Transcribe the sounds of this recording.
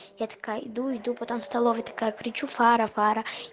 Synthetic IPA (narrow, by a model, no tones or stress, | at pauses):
jat̪ɐ̥kaid̪uid̪upɐt̪ɔmst̪ɐlˠɔvʲɐt̪ɐ̥kajɐkɾɪt͡ʃufaɾɐfaɾɐ